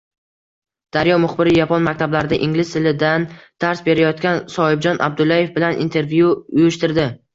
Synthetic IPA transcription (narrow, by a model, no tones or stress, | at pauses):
d̪̥aɾjɒmʊχbɪɾɪjapʰɒnmakʲt̪ʰablaɾɪd̪aʔɪŋlɪst̪ʰɪlɪd̪and̪̥aɾsbe̞ɾajɒt̪kʲansɒɪb̚d͡ʒɒnʔa̰b̚d̪ʊlaje̞fbɪlanʔḭnt̪ʰe̞ɾvjuʊjʊʃt̪ɪɾd̪ɪ